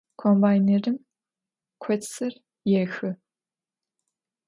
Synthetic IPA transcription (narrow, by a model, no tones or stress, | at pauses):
kʰoːmbaːjneːrɨm | kʷʰɔtsɐr | jɛxɨ